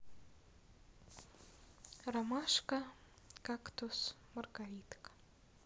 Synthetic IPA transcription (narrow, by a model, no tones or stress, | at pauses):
ramaʂka | kakt̪ʰos | mɐrɡɐɾʲit̪kḁ